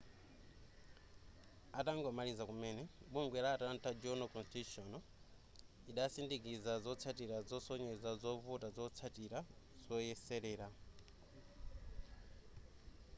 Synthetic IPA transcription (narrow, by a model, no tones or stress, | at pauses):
ataŋɡɔmalizakumɛːnɛɓuŋɡwɛɾaːtaantad͡ʒɔnɔkɔnstiuʃɔnɔ | iɗasindikizazɔt͡sʰatiɾazɔsɔɲɛzazɔvutazɔt͡sʰatiɾa | z̥ɔjɛsɛɾɛːɾa